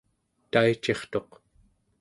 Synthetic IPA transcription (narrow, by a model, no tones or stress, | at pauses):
t̪ait͡ʃe̞χt̪o̞q